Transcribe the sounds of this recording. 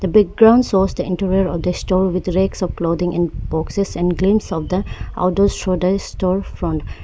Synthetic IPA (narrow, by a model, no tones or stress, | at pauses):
d̪̥əbɛk̚ɡɾãʊ̃ɳɖsɔsd̪əɪ̃nʈəɾiəɾɔʋd̪əsʈɔːɾʋɪd̪ɾeksɔʋkloːd̪ĩŋʔɛ̰̃nb̥ɔksesɛ̃nɡlĩmsɔʋd̪əa̰ʊʈosʃod̪əsʈɔːɾfɾɔ̃ɳʈ